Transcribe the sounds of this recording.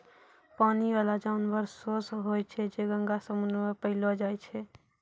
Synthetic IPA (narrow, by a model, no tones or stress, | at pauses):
paniʋalad͡ʒaunbəɾsosɦojt͡ʃʰɛd͡ʒeɡəŋɡasəmunmepəɪlɔd͡ʒajt͡ʃʰɛ